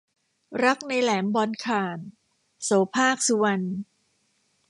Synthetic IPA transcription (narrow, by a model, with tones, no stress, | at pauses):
ɾa˦˥k̚na˧jlɛː˩˦mbɔː˧nkʰaː˨˩n | soː˩˦pʰaː˥˩k̚su˧wa˧n